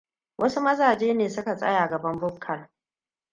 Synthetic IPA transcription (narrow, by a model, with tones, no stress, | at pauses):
wʔɐ˦su˦mɐ˦zaː˨d͡ʒeː˦neː˨sʊ˦ka˨sʼɐ̰˦jaː˨ɡɐ˨bɐ˦mbʊ˦p̚kʰːɐ˨n